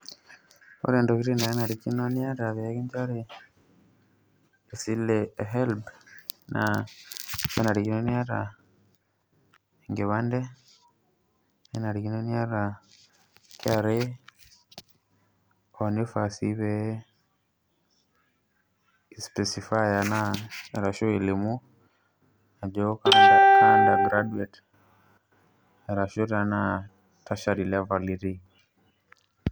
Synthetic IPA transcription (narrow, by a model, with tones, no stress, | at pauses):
o̰˦ɾe˨ndo˨ki˦ɾe˦na˨ɾe˦na˨ɾiki˦no˦nja˦ɾa˨βe˨a˦ki˦nta˦ɾe˨ | si˦leɦɛ˦lbnʔa̰ | ka˦na˨ɾi˨ki˦no˦nja˦ɾa˨ | eŋɡe˨βande˦ | e˦na˨ɾiki˦no˦ni˦a˦ɾa˨ | ka˨ɾe˦ | ɔnifasiβɛ | ispɛsifajanaɛɾaʃo˦i˨limu˦ | a˨d͡ʒɔ˦kanaaka˦ndaɡɾaduɛt | ɛɾaʃoɾana | taʃaɾilɛvaliɾi˦